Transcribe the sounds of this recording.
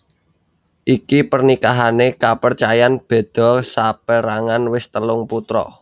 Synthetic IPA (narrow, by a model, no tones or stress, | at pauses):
ʔikipərnikaɦanekapərt͡ʃajanb̥e̤d̪̥ɔ̤sapəɾaŋanwɪst̪əlʊŋput̪ɾɔ̰